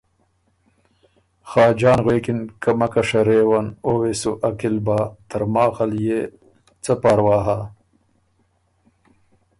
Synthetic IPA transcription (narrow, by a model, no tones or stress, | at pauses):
xɑːd͡ʑaːnɣweːkinkɐmɐkɐʂɐɾeːwanoːwesuʔɐkilbaːt̪ɐɾmaːɣɐlje | t͡sɐpaːɾwaːɦa